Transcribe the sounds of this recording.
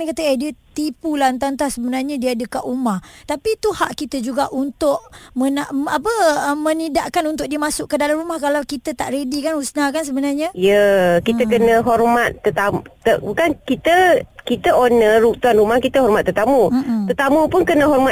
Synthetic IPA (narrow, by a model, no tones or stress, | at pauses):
kat̪əediət̪ipulant̪ant̪asəbənarɲadiaːdəkaʔumaht̪apit̪uha̰ʔkit̪əd͡ʒuɡaʔunt̪ʊʔmənaʔapəəmə̃nidaʔkanunt̪ʊʔ̚diəmasʊʔkədalamɾumahkalawkit̪ət̪a̰ʔredikanhusnakans̬əbənarɲajəkit̪əkənə̃ɦɔrmat̪ːət̪amt̪əbukankit̪əkit̪əonəɾuk̚t̪uanɾumahkit̪əɦɔrmat̪ːət̪amut̪ət̪amũpʊnkənə̃ɦɔrma